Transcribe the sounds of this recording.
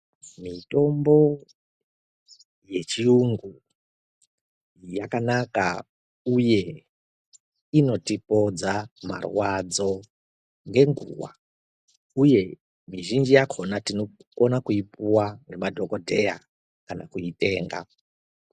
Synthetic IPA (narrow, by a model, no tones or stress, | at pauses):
mito̞mbo̞ | je̞t͡ʃiuŋɡu | jakanaka | uje̞ | ino̞tipo̞d͡zama̰rwad͡zo̞ | ŋɡe̞ŋɡṵwa̰ | uje̞ | miʒind͡ʒijakʰonatinokonakuipuwaŋɡe̞madʱo̞kodʱe̞̰ja̰ | kana̰kuite̞ːŋɡa̰